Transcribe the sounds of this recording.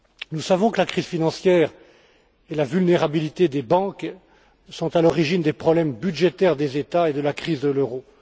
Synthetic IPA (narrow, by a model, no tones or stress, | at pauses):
nusavɔ̃kəlakχizfinɑ̃sjɛːʁ | elavylneʁabilit̪ed̪ebɑ̃k | sɔ̃t̪alɔʁiʒind̪epχɔblɛmbyd̪ʒet̪ɛʁd̪ezet̪aed̪əlakχizd̪əløʁo